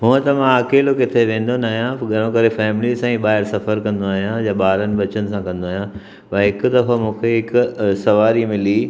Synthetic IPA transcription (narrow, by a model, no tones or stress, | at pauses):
ɦʊ̃ɦə̃t̪ɐmãaːkeːlokɪt̪ʰeʋẽːn̆d̪onaːɦijãɡʱɐɽ̃õkɐɾefɛːmɪlisãːĩɓaːɦɪɾsɐfəɾkɐ̃nd̪oaːɦijãjaɓaːɾənɪ̆bɐt͡ɕənɪ̆sãkɐ̃nd̪oaːɦijã | ʋɐɦɪkʊ̆d̪ɐfamũːkʰeɦɪkʊsɐʋaːɾimɪli